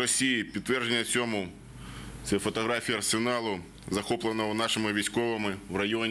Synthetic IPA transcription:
ɾɔsʲijipʲit̪ːʋɛrʒenʲːɐt͡sʲsʲɔmʊ | t̪sɛfɔt̪ɔɦɾɑfʲijɐrsenɑlˠʊ | zɐxɔplˠɐnɔwnɑʃɪmɪʋʲijsʲkɔʋɪmɪwrɐjɔnʲ

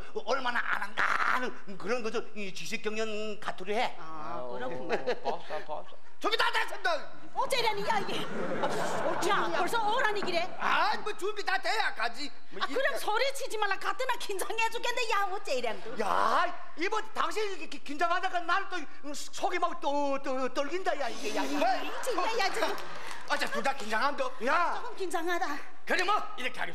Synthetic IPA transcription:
ʌɭmana̰ʔa̰nanda̰ | nɯn | kɯɾʌnɡʌd͡ʑʌ | t͡ɕiɕʰik͈jʌŋɲʌn | katʰuɾiɦe | a | kɯɾʌkʰ | t͡ɕʌɡit̪atasʰenda | ot͡ɕ͈eɾjaniaiɡe | o | a | oɭsʰʌʌɾaɲiɡiɾe | a | bʌt͡ɕumbitatejakad͡ʑi | akɯɾʌmsʰʌɾet͡ɕʰid͡ʑimanlːakat̪͈ɯnakind͡ʑaŋed͡ʑukend̪ejaot͡ɕ͈eiɾjandoja̰ | ibʌntaŋɕ̬ʰiɡkekind͡ʑaŋɦadaɡanaɾto | sʰoɡimaɡto | to | t͈oɭɡindajaiɡeja | e | t͡ɕʰiejad͡ʑi | ʌt͡ɕakudakind͡ʑaŋɦando | jaoɡɯmkind͡ʑaŋada | kɯɾimʌ | iɾʌkʰeɦa̰ɡes

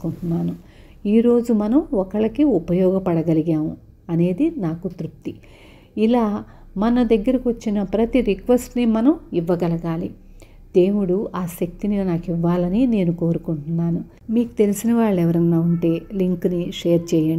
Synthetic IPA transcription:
kuɳʈunːaːnu | iːɾo̞ːd͡ʒumɐnɐmɔkɐɭɐkiupɐjɔːɡɐpɐɽɐɡɐliɡaːmu | ɐne̞ːd̪inaːkut̪ɾup̚t̪i | ilaː | mɐnɐd̪ɐɡːɐɾɐkiʋɐt͡ʃːinɐpɾɐt̪iɾikʋesʈnimɐnɐmiʋːɐɡɐlɐɡaːli | d̪e̞ːmuɽuaːʃɐk̚t̪ininaːkiʋːaːlɐnine̞ːnuko̞ːɾukuɳʈunːaːnu | miːku̥t̪e̞lisinɐʋaːɭːɛʋɐɾɐnːaːuɳʈe̞ːliŋkniʂeːɾt͡ʃɛːjɐ

